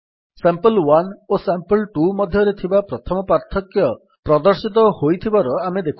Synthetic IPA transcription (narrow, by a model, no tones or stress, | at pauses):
sampəlwanosampəlʈumɔd̪ʱjɔɾet̪ʰibapɾɔt̪ʰɔmɔpaɾt̪ʰɔkjɔ | pɾɔd̪ɔɾsit̪̬ɔhojt̪ʰibaɾɔamed̪ekʰ